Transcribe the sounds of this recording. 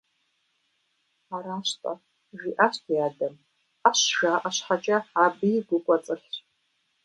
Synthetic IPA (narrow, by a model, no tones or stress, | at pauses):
aɾaːʃtʼa̰ | ʒʷᶣiʔaʃtʰjadam | aʃʒʷᶣaːʔʼaʃʷħat͡ʃʼaʕabiɡʷʊkʷʼat͡sʼɨɬʲ